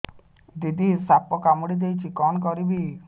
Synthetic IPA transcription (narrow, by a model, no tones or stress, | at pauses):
d̪id̪isapɔkamɔɽid̪ejt͡ʃʰikɔnɔkɔɾibi